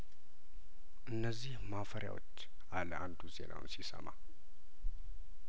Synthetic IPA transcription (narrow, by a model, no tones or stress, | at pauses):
ʔɨnːəzːihmafəɾja̰wot͡ʃː | ʔaləʔand̪uze̞̰nʔa̰w̰nsisə̰ma